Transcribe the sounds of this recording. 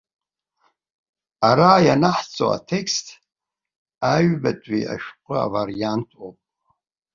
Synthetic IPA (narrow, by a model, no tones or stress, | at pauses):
aɾaːjanaħt͡sʼo̰a̰tʰekstʰ | aɥbatʼḭa̰ʃqʷʼʊa̰vaɾijantʰopʼ